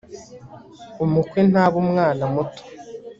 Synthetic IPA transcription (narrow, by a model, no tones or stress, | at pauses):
umukwenaːβumŋaːnamuto̥